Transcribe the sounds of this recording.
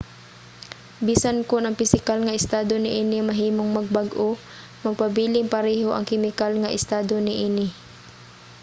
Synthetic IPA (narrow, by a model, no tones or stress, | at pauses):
biːsankonɐŋpɪsɪkalŋɐʔɪst̪aːd̪onɪʔiːnɪmɐɦiːmoŋmɐɡ̚baɡʔo | mɐɡ̚pɐbiːlɪŋpɐɾɛːɦoʔɐ̰ŋkɪmɪkalŋɐʔɪ̰st̪aːd̪onɪʔiːnɪ